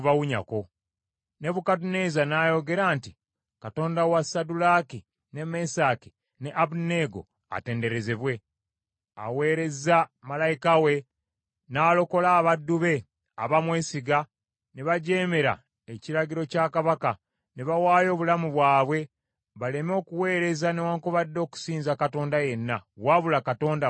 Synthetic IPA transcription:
βawuɲa̰ko̞ | ne̞βukatune̞ːzanaːjo̞ɡe̞ɾaːnti | kato̞ːndawasadulaki | ne̞me̞saːki̥ | ne̞ʔaβune̞ɡo̞̰ | a̰te̞ːnde̞ɾe̞ze̞βwe̞ | a̰we̞ːɾe̞zamalajikawe̞ | naːlo̞ko̞laːβadːuβe̞ | aβamwe̞ːsiɡa | ne̞βaɟe̞ːme̞ɾa̰ | eciɾaɡiɾo̞caːkaβaka | ne̞βawaːjo̞ːβulamuβwaːβwe̞ | βale̞mo̞ːkuwe̞ːɾe̞zane̞waːŋkoβadːo̞ːku̥siːnzakato̞ːndaje̞nːawaβulakato̞ːnda

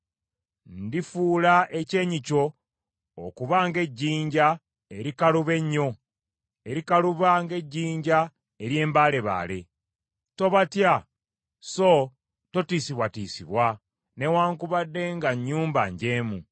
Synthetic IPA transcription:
ndifuːlaʔe̞ce̞ːɲico̞ː | kuβaŋɡe̞ɟːiːɲɟa | e̞ɾikaluβe̞ɲːo̞ | e̞ɾikaluβaŋɡe̞ɟːiːɲɟa | e̞ɾje̞ːmbaːle̞βa̰ːle̞ | to̞βatja | so | to̞tiːsiβwatiːsiβwa | ne̞waːŋkuβadːe̞ŋɡaɲːuːmba̰ɲɟe̞ːmṵ

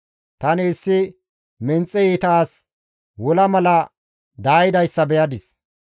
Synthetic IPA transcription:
t̪ɐnɪːsːɪ | mɛnt͡sʼːɛiːt̪aːs | wɔlɐmɐlɐ | d̪aːjɪd̪ɐjsːɐbɛjɐd̪ɪs

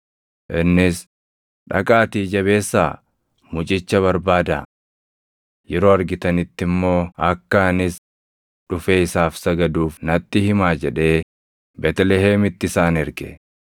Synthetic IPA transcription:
ʔɪnːɪs | ᶑɐ̰kʼaːt̪iːd͡ʒɐβe̞ːsːa̰ː | mʊt͡ʃʼɪt͡ʃːɐβɐɾbaːd̪ɐ̰ | jɛɾo̞ːɐɾɡɪt̪ɐnɪt̪ːɪmːo̞ːɐkːɐnɪs | ᶑʊfeːɪsaːfsɐɡɐd̪uːfnɐt̪ːɪhɪmaːd͡ʒɛᶑe̞ː | bɛt̪ɛlɛɦeːmɪt̪ːɪsaːnɛɾɡɛ̰

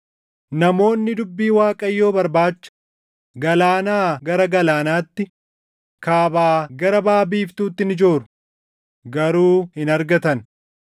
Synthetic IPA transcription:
nɐmo̞ːnːɪd̪ʊbːiːwaːkʼɐjːo̞ːbɐɾbaːt͡ʃːɐ̥ | ɡɐlaːnaːɡɐɾɐɡɐlaːnaːt̪ːɪ | kaːbaːɡɐɾɐbaːbiːft̪uːt̪ːɪnɪd͡ʒo̞ːɾʊ̥ | ɡɐɾuːhɪnɐɾɡɐt̪ɐn

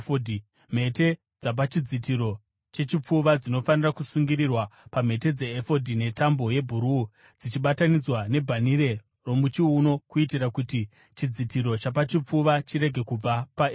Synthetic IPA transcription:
odʱi | m̤e̞te̞ | d͡zap̬at͡ʃid͡zitiɾo̞ | t͡ʃe̞t͡ʃip͡fuʋad͡zino̞fanirakusuŋɡiɾirwapame̞te̞d͡ze̞ːfo̞dʱine̞tambo̞je̞bʱuɾuː | d͡zit͡ʃiɓatanid͡zwane̞bʱaniɾe̞ | ro̞mut͡ʃiuno̞kuitirakuti | t͡ʃid͡zitiɾo̞t͡ʃap̬at͡ʃip͡fuʋat͡ʃiɾe̞ɡʱe̞kub͡vapae

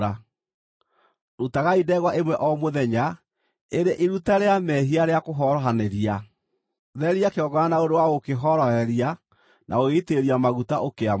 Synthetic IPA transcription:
ɾa | ɾutaɣaidɛɣwaʔemwɛʔɔmoðɛɲa | eɾeʔiɾutaɾeamɛɦiaɾeakoɦɔɾɔɦaneɾia | ðɛɾiakeɔɡɔanaoɾewaɣokeɦɔɾɔhɛɾia | nʔa̰oɣeiteɾiamaɣutaʔokea

